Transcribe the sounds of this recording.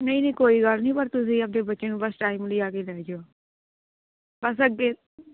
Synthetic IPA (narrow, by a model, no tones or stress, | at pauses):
nəĩːnĩːkoːiːɡəlnĩːpəɾt̪ʊs̬ĩːəp̚d̪eːbətːʃeːnũːbəsʈaːiːmləiːaːkeːlɛːd͡ʒoː | bəsəɡːeː